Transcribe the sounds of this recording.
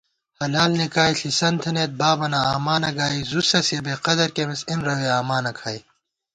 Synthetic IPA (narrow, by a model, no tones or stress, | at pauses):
hɐlaːlnikaːiɬisɐnt̪ʰɐneːt̪̚baːbɐnaaːmaːnɐɡaːizusɐsjɐbeːqɐd̪ɐɾkemisinɾɐweaːmaːnɐkʰaːi